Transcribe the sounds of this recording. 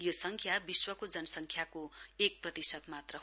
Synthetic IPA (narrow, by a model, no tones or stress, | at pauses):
josʌŋkʰjabiswʌkod͡zʌnʌsʌŋkʰjakoek̚prʌt̪isʌd̪mat̪rʌ